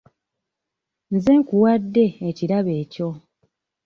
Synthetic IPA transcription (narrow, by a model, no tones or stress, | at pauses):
nzeːŋkuwadːe̞ːciɾaβe̞ːco̞